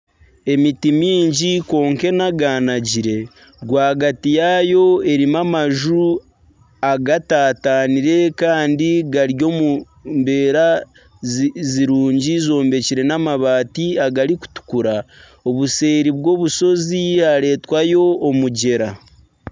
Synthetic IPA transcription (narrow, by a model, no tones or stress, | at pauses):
e̞mitimiːɲɟiko̞ːŋke̞naɡaːnaɟiɾe̞ | ɡwaːɡatijajo̞e̞ɾimamaʒu | aɡataːtaːniɾe̞kaːndiɡaɾjo̞mu | mbe̞ːɾa | ziɾuːɲɟizo̞ːmbe̞ciɾe̞namaβaːtiaɡaɾiku̥tu̥kuɾa | o̞βuse̞ːɾiβɡo̞ːβuso̞ziaɾe̞ːtwajo̞ːmuɟe̞ɾa